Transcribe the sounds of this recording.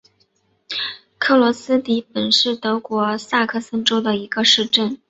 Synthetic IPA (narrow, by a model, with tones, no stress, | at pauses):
kʰɤ˥˩lwɔ˧˥sɹ̩˥t̪i˧˥pə˨˩nʂɻ̩˥˩t̪ɤ˧˥kwɔ˧˥sa˥˧kʰɤ˥˩sə˥nʈ͡ʂo˥ʊd̪ə˨i˧˥ɡə˧ʂɻ̩˥˧ʈ͡ʂə˥˩n